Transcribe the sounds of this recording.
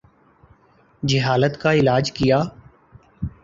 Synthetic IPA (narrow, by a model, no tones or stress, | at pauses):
d͡ʒɪɦaːlət̪kaɪlaːd͡ʒkɪjaː